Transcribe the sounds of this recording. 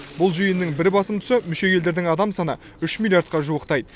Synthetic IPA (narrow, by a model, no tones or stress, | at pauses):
bʊlˠʒʏjɪnːɪŋbɪɾbɑsəmt̪ʰʏ̥sɪmʏʃe̞kʲʰe̞ld̪e̞ɾd̪ɪŋɑd̪ɑmsɑnə̰ | ʏʃmʲilʲjaɾt̪̚qɑʒuwəqt̪ɑjd̪ə